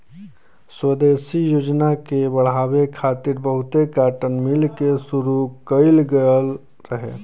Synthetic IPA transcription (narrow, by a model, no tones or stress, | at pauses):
swəd̪eːsijoːd͡ʒnakebəɽ̤aːwekʰaːt̪ɪɾbəɦʊt̪ekaːʈənmɪlkesʊɾukəɪlɡəəl | ɾəɦḛː